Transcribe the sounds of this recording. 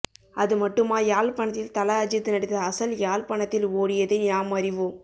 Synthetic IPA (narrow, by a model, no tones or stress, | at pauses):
ʔɐðɯmɐʈːɯmaːjaːlpɐɳɐt̪ːɪlt̪ɐlɐɐd͡ʒɪt̪ːɯnɐɽɪt̪ːɐːsɐljaːlpɐɳɐt̪ːɪloːɽɪjɐðɯɲaːmɐɾɪʋoː